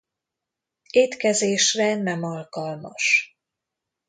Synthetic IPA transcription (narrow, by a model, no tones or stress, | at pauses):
eːt̪kɛzeːʃrɛnɛmɒlkɒlmɒ̰ʃ